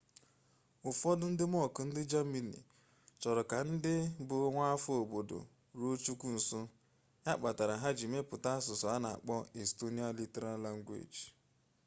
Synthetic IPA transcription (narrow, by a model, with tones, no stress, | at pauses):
ʊ˨fɔ˦dʊ˦n̩˦dɪ˦m˦ɔ˦˨kʊ˨n̩˦dɪ˦d͡ʒa˦mi˦nḭ˨ | t͡ʃɔ˨ɾɔ˨ka˨n̩˦dɪ˦bʊ˨˦ŋʷa˦a˦fʊ˦o˨bo˨do̰˨ | ɾo˦t͡ʃu˦kʷu˦n̩˨sʊ˦ | ɲa˦k͡pa˨ta˨ɾa˨ɦa˦d͡ʒi˨me˦pʊ˨ta˦a˦sʊ˨sɔ˨a˦na˨a̰˨k͡pɔ˦e˨sto˦ni˦a˦li˦te˦ɾa˦la˦ŋ̩˦ɡʷḛ˨d͡ʒ